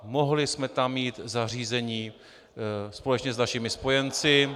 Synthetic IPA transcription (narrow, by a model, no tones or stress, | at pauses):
moɦlɪsmɛt̪amːiːt̪zar̝iːzɛɲiː | spo̞lɛt͡ʃɲɛznaʃɪmɪspo̞jɛnt͡sɪ